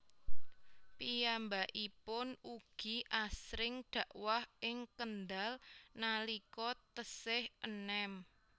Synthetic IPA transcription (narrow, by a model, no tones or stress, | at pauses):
pijambaʔipʊnuɡ̥i̤ʔasɾɪŋɖ̪̥ä̤ʔwahɪŋkənd̪alnalikɔt̪əsɪhʔənɛm